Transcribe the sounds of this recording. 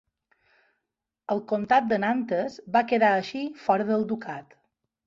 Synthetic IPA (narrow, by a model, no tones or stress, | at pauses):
əlˠkont̪at̪̚d̪ənant̪əzβakəðaəʃifɔɾəðəlˠd̪ukat̪